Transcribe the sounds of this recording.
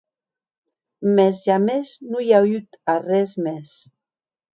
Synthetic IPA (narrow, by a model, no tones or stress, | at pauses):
mezʒameznujayt̪arɛzmes